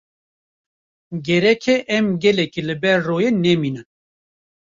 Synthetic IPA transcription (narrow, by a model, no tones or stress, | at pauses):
ɡɛɾɛkʰɛʔɛmɡɛlɛkilɨbɛɾːoːjeːnɛmiːnɨn